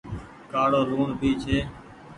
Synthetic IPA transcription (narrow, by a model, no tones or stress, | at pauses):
kaːɽoːɾuːɳbʱiːt͡ʃʰeː